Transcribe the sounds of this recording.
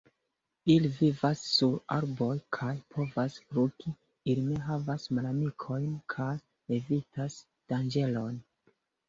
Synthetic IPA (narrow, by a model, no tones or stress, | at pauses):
ilivivasːuɾaɾbo̞jkʰajpʰo̞vasfɾuki | iline̞ɦavasmalamikʰo̞jnkʰaj | evitas | d̥and͡ʒe̞lo̞n